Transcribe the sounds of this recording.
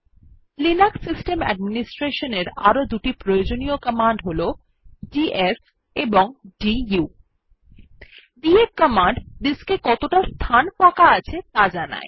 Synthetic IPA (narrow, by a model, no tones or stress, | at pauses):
linaksisʈemɛ̰ɖminisʈɾeʃoneɾaɾod̪uʈipɾojod͡ʑoniokəmaɳɖɦolo | ɖies | eboŋɖiju | ɖieɾkəmaɳɖd̪iskekɔt̪oʈast̪ʰanfakaat͡ɕʰet̪ad͡ʑana̰e